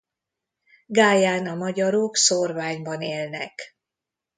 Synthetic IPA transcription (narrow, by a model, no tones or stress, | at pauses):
ɡaːjaːnɒmɒɟɒɾoːksorvaːɲbɒneːlnɛ̰k